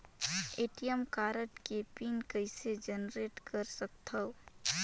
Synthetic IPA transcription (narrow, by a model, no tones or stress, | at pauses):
eːʈijəmkaːɾəʈkepiːnkəɪsed͡ʒənɾeːʈkəɾsək̚t̪ɐʊ